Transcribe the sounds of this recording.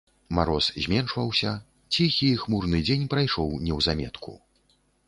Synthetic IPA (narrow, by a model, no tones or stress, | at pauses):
maɾɔszʲmʲɛnʂvɐwsʲɐ | t͡sʲixʲixmurnɨd͡zʲenʲpɾajʂɔwnʲɛwzamʲɛ̰t̪kṵ